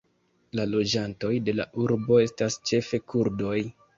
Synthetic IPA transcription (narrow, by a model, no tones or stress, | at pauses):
lalo̞d͡ʒanto̞jde̞laʔuɾbo̞e̞stast͡ʃe̞fe̞kʰuɾdo̞j